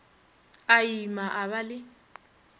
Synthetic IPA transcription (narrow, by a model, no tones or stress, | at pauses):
ajimaʔaβalɪ